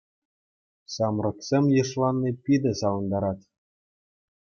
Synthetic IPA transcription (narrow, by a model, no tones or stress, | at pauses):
sɑmrɤ̆ksʲemʲjɤ̆ʂlˠɑnːipʲid̪ɘ̆sɑlɤ̆nd̪ɑɾɑt̪